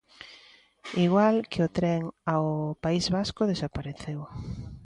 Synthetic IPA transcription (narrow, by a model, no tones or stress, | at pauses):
iɣwalkɪot̪ɾɛŋaopaizβaskʊðesapaɾeθew